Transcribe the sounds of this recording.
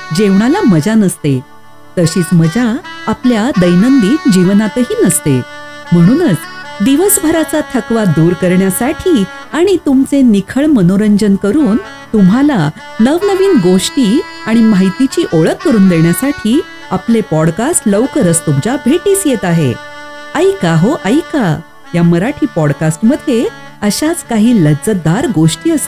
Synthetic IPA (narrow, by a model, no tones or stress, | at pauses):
d͡ʑeʋɳalaməd͡zanəst̪e | t̪əɕiːt͡sməd͡zaːpljad̪əjnənd̪iːt̪d͡ʑiʋnat̪əɦiːnəst̪ḛ | m̤əɽ̃uːnət͡sd̪iʋəsbʱəɾat͡sat̪ʰəkʋad̪uːɾkəɾɳjasaʈʰiː | aɽ̃it̪umt͡senikʰəɭmənoɾəɲd͡ʑənkəɾuːn | t̪um̤ʱala | nəʋnəʋiːnɡoʂʈiː | aɽ̃imaɦit̪it͡ɕiːʔoɭəkːəɾuːnd̪eɳjasaʈʰiː | aplepɔɽkasʈləʋkəɾəst̪umt͡ɕabʱeʈiːsjet̪aɦḛ | əjkaɦoʔəjika | jaməɾaʈʰiːpɔɽkasʈməd̪ʱje | əɕat͡skaɦiːləd͡zəd̪aɾɡoʂʈiːəse